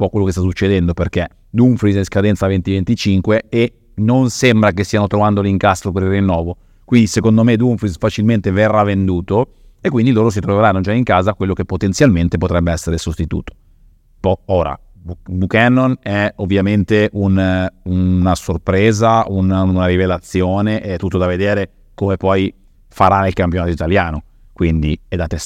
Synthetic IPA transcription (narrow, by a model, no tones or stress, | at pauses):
pɔkːwelːokest̪as̬ut͡ʃːed̪ɛnd̪operk̟e | d̪uɱfɾizɛskad̪ɛnt̪savent̪ivent̪it͡ʃiŋkwee | nonsembɾakest̪ːianot̪ɾovand̪oliŋkast̪ɾop̬eɾilrːinːɔːvo | kwind̪isekond̪omed̪uɱfɾisfat͡ʃilment̪everːavːend̪uːt̪o | ekːwind̪iloːɾos̬it̪ɾoveɾanːod͡ʒaiŋkaːzakwelːokepːot̪ent̪sjalment̪epot̪ɾɛbːeɛsːeɾesost̪it̪ṵːt̪o̥ | pɔoːɾa̰ | bubukɛnːonɛovːjament̪eʔununasorpɾeːzaununaɾivelat̪sːjoːneʔt̪ːut̪ːod̪aved̪eːɾe | komepɔj | faɾaneilkampjonaːt̪oit̪aljaːno | kwind̪iɛd̪at̪ːe